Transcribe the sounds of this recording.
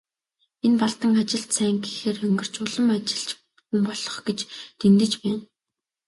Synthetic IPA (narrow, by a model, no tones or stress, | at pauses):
enpaɮt̪ə̆ŋat͡ɕɪ̆ɬt̪sæːŋɡiːxeːrxɵŋɡɵ̆r̥t͡ɕʊɮə̆mat͡ɕɪ̥̆ɬt͡ɕ | xumpɔɮɞ̆χɡet͡ɕt̪ʰent̪ɘ̆t͡ɕpæːn